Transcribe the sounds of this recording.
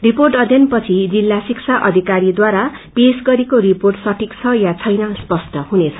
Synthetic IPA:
riporʈʌd̪ʱjʌnpʌt͡sʰid͡zilːasikt͡sʰaʔʌd̪ʱikaɾid̪waɾapesɡʌɾekoɾiporʈsʌʈʰikt͡sʰʌjat͡sʰʌjnʌspʌsʈʌɦunet͡sʰʌ

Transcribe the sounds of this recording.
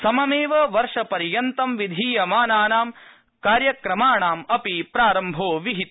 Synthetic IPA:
sɐmɐmeːʋɐʋɐɾʂɐpɐɾjɐnt̪ɐmʋid̪ʱiːjɐmaːnaːnaːm | kaːɾjɐkɾɐmaːɳaːmɐpipɾaːɾɐmbʱoːʋiɦit̪

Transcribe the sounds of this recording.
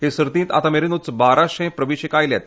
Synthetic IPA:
ɦesəɾt̪ĩnt̪a̰t̪ameɾenut͡sbaɾaɕẽpɾəʋiɕikajlɛt̪̚

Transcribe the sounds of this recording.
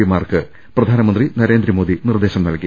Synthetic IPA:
imaːrkɨ | prɐd̪ʱaːnɐmɐnd̪rinɐɾe̞ːnd̪ɾimo̞ːd̪inird̪e̞ːɕɐmnɐlkːi

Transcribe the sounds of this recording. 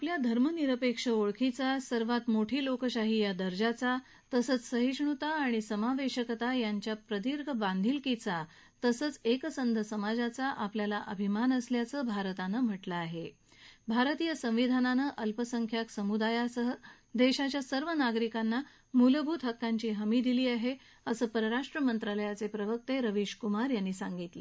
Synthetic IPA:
apljad̪ʱəɾməniɾəpekʂəoɭkʰit͡sasəɾʋat̪moʈʰiːlokəɕaɦijad̪əɾd͡ʑat͡sa | t̪əsəːt͡ssəɦiʂɳut̪aːɽ̃isəmaʋeɕəkət̪ajaɲt͡ɕjapɾəd̪iɾɡʱəbãnd̪ʱilkit͡sa | t̪əsəːt͡sekəsənd̪ʱəsəmad͡zat͡saʔapljalaʔəbʱimanəsljat͡səbʱaɾt̪anəm̤əʈlaːɦe | bʱaɾət̪iːjəsə̃m̃ʋid̪ʱananəʔəlpəsəŋkʰjaksəmud̪ajasəɦə | d̪eɕat͡ɕjasəɾʋənaɡɾikanːa | muləbʱut̪ɦəkːaɲt͡ɕiːɦəmiːd̪iliːaɦe | əsəːpəɾəɾaʂʈɾəmənt̪ɾaləjat͡sepɾəʋək̚t̪eɾəʋiɕkumaɾjanːiːsaŋɡit̪le

